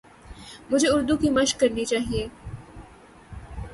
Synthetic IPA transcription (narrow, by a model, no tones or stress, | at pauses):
mʊd͡ʒʱeʊɾd̪ukimɐʃkːɐɾnit͡ʃaːɦieː